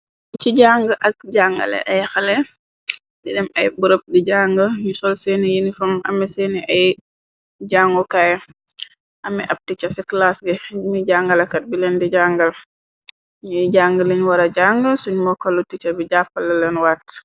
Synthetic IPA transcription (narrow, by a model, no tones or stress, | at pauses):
t͡ʃiɟaŋɡəʔɐk̚d͡ʒaŋɡɐ̰lɛ̰ʔɐjxɐlɛ | didɛmɐjbuɾəp̚diɟaːŋɡəɲusɔlsɛnijinifɐmɐ̰mɛsɛːniʔɐj | d͡ʒaːŋɡɔkaːj | ʔɐmɛʔɐp̚tit͡ʃɐsɛklasɡɛmiɟaŋɡɐlɐkɐt̚bilɛndiɟaːŋɡɐl | ɲujɟaːŋɡəliɲwɐɾɐɟaŋɡəsuɲmɔkɐlutit͡ʃɐbiɟaːpːɐlɐlɛnwaːt